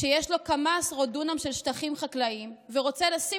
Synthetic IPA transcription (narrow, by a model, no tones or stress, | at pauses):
ʃejeʃlo̞kamasʁodunamʃe̞lʃtaχimχaklaimveʁo̞t͡selasi